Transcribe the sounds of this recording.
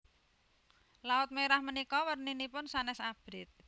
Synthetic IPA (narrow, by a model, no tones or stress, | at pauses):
laʊt̪̚meɾahmənikɔwərninipʊnsanɛsab̥ɾɪt̪̚